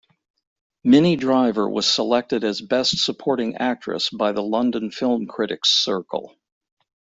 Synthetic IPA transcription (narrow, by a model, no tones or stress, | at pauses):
mɪnidɹaɪvə̰˞wʌ̰z̥səlɛk̚tɨɾɨzbɛstsəpʰɔɹɾɪ̃ŋæk̚tt͡ʃɹ̥ɨ̰sb̥aɪðəlʌ̃ndɨ̃nfɪlˠmkʰɹ̥ɪɾɨ̰ksɜ˞kl̩ˠ